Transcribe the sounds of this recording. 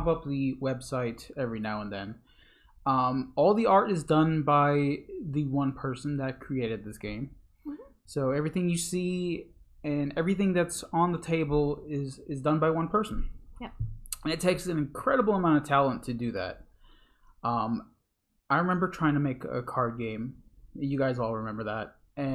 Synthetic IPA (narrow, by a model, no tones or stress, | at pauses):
pʌp̚ðɨwɛb̥saɪɾɛvɹinaʊə̃nðɨ̰̃n | ʌ̃mɔlˠðiɑɹɾɨzdʌ̃nbaɪðɨwʌ̃npʰɜ˞sn̩ðɨt̚kʰɹ̥ieɪɾɨd̪̚ðɪsɡ̥ẽɪ̃m | soʊɛvɹiθɪ̃ŋjɨsi | ɨ̃nɛvɹiθɪ̃ŋðɨtsn̩ðətʰeɪbl̩ˠɪzɪzdʌ̃nbaɪwʌ̃npʰɜ˞sn̩ | ɨ̃nɨtʰeɪksɨ̃nɨ̃nkʰɹ̥ɛɾəbl̩ˠəmãʊ̃ñʌv̥tʰælˠə̃ntʰɨdɨðæ̰t̚ | ʌ̃m | ʔaɪɹɨmɛ̃mbə˞tʰɹ̥aɪɪ̃ŋtʰɨmeɪkɨ̰kʰɑɹd̚ɡẽɪ̃mjɨɡaɪzɔlˠɹɨmɛ̃mbə˞ðæt̚ | ɨ̃